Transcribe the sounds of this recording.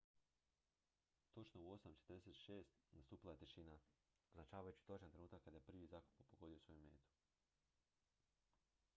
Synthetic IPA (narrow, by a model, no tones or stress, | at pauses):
t̪o̞t͡ʃnouo̞samt͡ʃet̪ɾd̪eset̪ʃe̞ːst̪nast̪uːpilajet̪eʃina | oznat͡ʃaːʋajut͡ɕi̥t̪o̞t͡ʃant̪ɾenuːt̪akːad̪ajepɾ̩ʋizaːku̥papoɡo̞d̪ijosʋo̞jume̞̰ːt̪u̥